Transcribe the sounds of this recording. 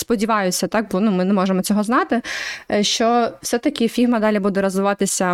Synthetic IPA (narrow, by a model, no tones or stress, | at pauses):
spɔdʲiʋɑjʊsʲːɐt̪ɑk̚bɔnumɪnɛmɔʒemɔt͡sʲɔɦɔznɑt̪ɪʃt͡ʃɔw̥sɛt̪ɐkʲɪfʲiɦmɐd̪ɑlʲibud̪ɛɾɐzʋɪʋɑt̪ɪsʲɐ